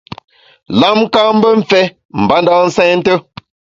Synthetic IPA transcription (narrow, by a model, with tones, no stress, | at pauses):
la˦m˦ka˦m̩˦bə˦ɱ̩˨fɛ˦ | m̩˨ba˨˦n˦da˦˨n̩˦sɛ˦n̩˦tə˦